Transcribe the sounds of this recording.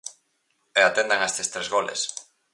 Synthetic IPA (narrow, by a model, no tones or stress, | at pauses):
eat̪end̪aŋaest̪est̪ɾezɣolḛs